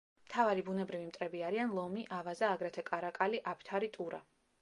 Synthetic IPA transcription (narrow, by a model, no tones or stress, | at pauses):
mt̪ʰavaɾibunɛbɾivimt̪ʼɾɛbiaɾianlˠɔmiʔavazaːɡɾɛt̪ʰɛkʼaɾakʼaliʔapʰt̪ʰaɾit̪ʼuɾa̰